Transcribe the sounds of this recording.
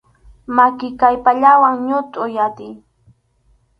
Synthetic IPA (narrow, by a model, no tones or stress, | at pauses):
makɪkajpaʎawaŋɲʊt̪ʼʊjat̪ɪj